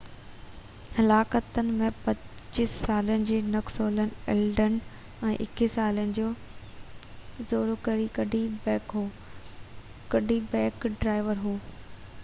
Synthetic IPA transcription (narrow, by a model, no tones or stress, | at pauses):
hɐlaːkət̪ənɪ̆mẽpɐt͡ɕissaːlənɪ̆d͡ʑeːnɐksoːlənɪ̆ɛːlɖən | ɛ̃ːʔɪkɪsaːlənɪ̆d͡ʑoː | zoːɾokɐɾikɐɖibɛːkɦoː | kɐɖʱibɛ̃ːkɖɾaːɪʋəɾɦuː